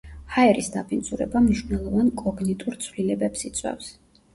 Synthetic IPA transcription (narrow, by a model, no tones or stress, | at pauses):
haɛɾisd̪apʰind̪zuɾɛ̰bamniʃvnɛlˠɔvankʼɔɡnɛt̪ʼuɾt̪sʰvlilɛbɛpsit̪sʼwɛ̰fs